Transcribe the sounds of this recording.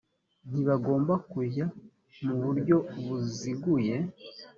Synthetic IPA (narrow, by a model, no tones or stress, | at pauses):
n̥iβaɡo̞ːmbakuja | muβuɾɟo̞βuziɡuje̞